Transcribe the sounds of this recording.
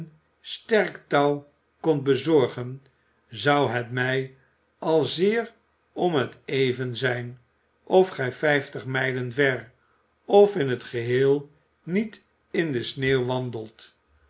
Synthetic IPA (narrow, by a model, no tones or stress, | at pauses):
n | stɛɹktɑw | kɔnt̚bəzɔɹχən | zɑwɦɛtmɛj | ɑlˠzɪːɹ | ɔmɦətejvənzɛjn | ʔɔfχɛjfɛjftəχmɛjlənvɛɹ | ɔfɪnɦətχəɦɪːlˠ | nit | ɪndəsneːwʋɑndəlˠt